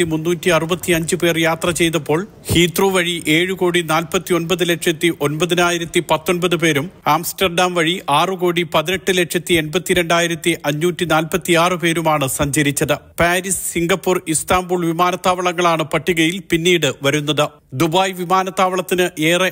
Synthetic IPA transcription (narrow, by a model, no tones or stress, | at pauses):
imunːuːtːiɐrubɐt̪ːiɐɲd͡ʑɨpe̞ːrjaːt̪rɐt͡ɕe̞jt̪ɐpːo̞ːɭ | hiːt̪ruːʋɐɻiʔe̞ːɻuko̞ːɽinaːlpɐt̪ːio̞nbɐðɨle̞ʈʂɐt̪ːiʔo̞nbɐðinaːjiɾɐt̪ːipɐt̪ːo̞nbɐðɨpe̞ːɾumaːmsʈɐrɖaːmʋɐɻiʔaːrɨko̞ːɽipɐðineʈːɨle̞ʈʂɐt̪ːie̞nbɐt̪ːiɾe̞ɳɖaːjiɾɐt̪ːiʔɐɲːuːtːinaːlpɐt̪ːiaːrɨpe̞ːɾumaːɳɨsɐɲd͡ʑɐɾit͡ɕːɐðɨpaːɾissiŋɡɐpːurist̪aːmbuːɭʋimaːnɐt̪ːaːʋɐɭɐŋːɐɭaːɳɨpɐʈːiɣɐjilpinːiːɽɨʋɐɾunːɐðɨ | d̪ubaːjʋimaːnɐt̪ːaːʋɐɭɐt̪ːinɨʔe̞ːrɐ